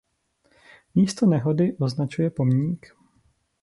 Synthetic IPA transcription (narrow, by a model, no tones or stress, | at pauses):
miːst̪onɛɦo̞dɪʔoznat͡ʃujɛpo̞mɲiːk